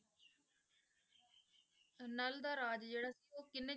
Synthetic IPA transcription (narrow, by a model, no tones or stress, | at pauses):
nəld̪aːɾaːd͡ʒd͡ʒeːɽaːsiːoːkɪnːẽː